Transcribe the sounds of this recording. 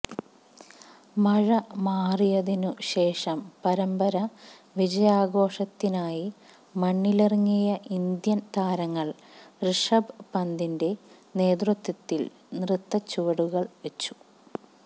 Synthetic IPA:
mɐɻɐmaːrijɐðinuɕe̞ːʂɐmpɐɾɐmbɐɾɐ | ʋid͡ʑɐjaːɡo̞ːʂɐt̪ːinaːji | mɐɳːilerŋːijɐʔind̪jɐnt̪ʰaːɾɐŋːɐɭ | rɨʂɐbpɐnd̪inde̞ne̞ːd̪rut̪ːɐt̪ːil | nrɨt̪ːɐt͡ɕːuʋɐɽuɣɐɭʋe̞t͡ɕːu̥

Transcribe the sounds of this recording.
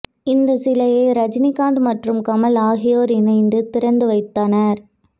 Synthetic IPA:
ɪnd̪ɐsɪlɐjɐɪɾɐd͡ʒnɪkːaːnd̪mɐʈrɯmkɐmɐlaːɣɪjoːɾɪnɐɪnd̪ɯt̪ɪɾɐnd̪ɯʋɐɪt̪ːaːnɐɾ

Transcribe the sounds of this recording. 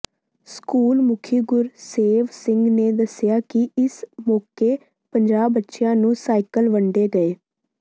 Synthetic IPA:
skuːlmʊkʰiːɡʊɾseːʋsɪŋɡneːd̪əsjaːkɪɪsmɔːkeː | pəɲd͡ʒaːbːətːʃɪjãːnũːsaːikəlʋəɳɖeːɡəeː

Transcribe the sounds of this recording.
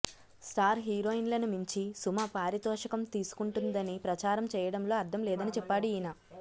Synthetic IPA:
sʈaːɾɦiːɾoːinlɐnumiɲt͡ʃisumɐpaːɾiɐt̪ɔːʂɐkɐmt̪iːsu̥kuɳʈund̪ɐnipɾɐt͡ʃaːɾɐmt͡ʃɛːjɐɽɐmlo̞ːɐɾd̪ʱɐmlɛːd̪ɐnit͡ʃɛpːaːɽiiːna

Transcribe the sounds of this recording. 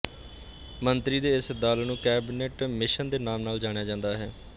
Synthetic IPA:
mənt̪ɾiːd̪eːɪsd̪aːlnũːkɛːbneːʈmɪʃənd̪eːnaːmnaːld͡ʒaːɽ̃ejaːd͡ʒãːnd̪aːɦɛː

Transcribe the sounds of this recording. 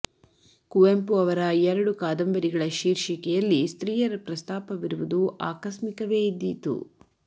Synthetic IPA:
kuʋempuɐʋɐɾɐɛɾɐɽukaːd̪ɐmbɐɾiɡɐɭɐʃiːɾʃikɛjɐlːist̪ɾiːjɐɾɐpɾɐst̪aːpɐʋiɾuʋud̪uʔaːkɐsmikɐʋe̞ːid̪ːit̪ṵ

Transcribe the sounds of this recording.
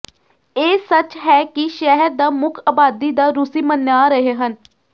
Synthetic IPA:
eːsət͡ʃɦɛːkiʃɛɦəɾd̪aːmʊkʰaːbaːd̪iːd̪aːɾʊsiːmənjaːɾəɦeːɦən

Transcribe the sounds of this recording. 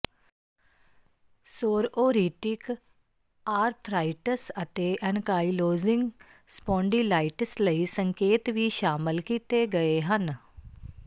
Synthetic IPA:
soːɾoːɾiːʈɪk | aːɾt̪ʰɾaːiʈəsət̪eːʔɛnkaːiloːzɪ̃ŋɡ | spɔ̃ːɳɖiːlaːɪʈəsləiːsəŋkeːt̪ʋiːʃaːmɪlkiːt̪eːɡəeɦən

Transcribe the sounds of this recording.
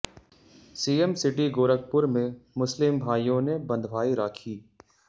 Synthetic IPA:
siːəmsɪʈiɡoːɾək̚pʊɾmẽmʊslɪmbʱaːjõnebɐ̃nd̪ʱbʱaːiɾaːkʰiː

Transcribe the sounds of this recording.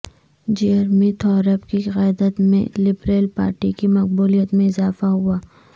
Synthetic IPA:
d͡ʒiəɾmẽt̪ʰɔːɾəpkiɣɛːjd̪ət̪mḛ̃lɪbɾeːlpa̰ːɾʈikimɐq̚buːlijət̪mẽɪzaːfaɦʊaː

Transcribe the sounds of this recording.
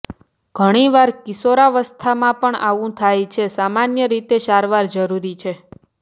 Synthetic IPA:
ɡ̥ʱəɽ̃iʋaɾkisoɾaʋəst̪ʰamãpəɳaʋũt̪ʰajt͡ʃʰesamanjəɾit̪eʃaɾʋaɾd͡ʒəɾuɾit͡ʃʰe

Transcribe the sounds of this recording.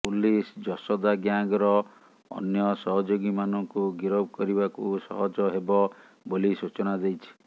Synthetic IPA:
pulisd͡ʒɔsɔd̪aɡjaŋɡɔɾɔ | ɔ̰njɔsɔɦɔd͡ʒoɡimanɔŋkuɡiɾɔbɔkɔɾibakusɔ̰ɦɔd͡ʒɔɦebɔ | bolisut͡ʃɔnad̪ejt͡ʃʰi̥

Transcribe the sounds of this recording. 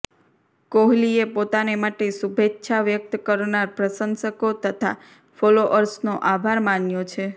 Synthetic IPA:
koɦliepot̪anemaʈesubʱetːʃʰaʋjək̚t̪kəɾnaɾpɾəsənsəkot̪ət̪ʰa̰ | foloʔəɾsnoʔabʱaɾmanjot͡ʃʰe

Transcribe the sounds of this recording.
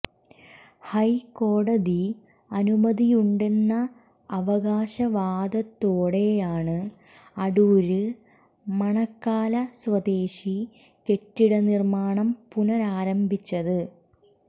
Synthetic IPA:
hɐjko̞ːɽɐði | ɐnumɐðijuɳɖenːɐː | ʋɐɣaːɕɐʋaːd̪ɐt̪ːoːɽe̞jaːɳɨ | ɐɽuːɾɨ | mɐɳɐkːaːlɐswɐd̪e̞ːɕi | ke̞ʈːiɽɐnirmaːɳɐmpunɐɾaːɾɐmbʱit͡ɕːɐðɨ

